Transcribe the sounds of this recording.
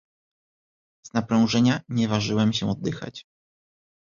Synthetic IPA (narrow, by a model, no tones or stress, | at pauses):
z̥napɾɔ̃w̃ʐɛɲaɲɛvaʐɘwɛmɕɛɔd̪ːɘxa̰t͡ɕ